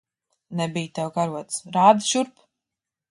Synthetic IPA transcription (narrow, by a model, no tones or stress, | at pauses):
nɛbijt̪ɛwɡaɾuɔt̪sɾaːd̪ʃuɾp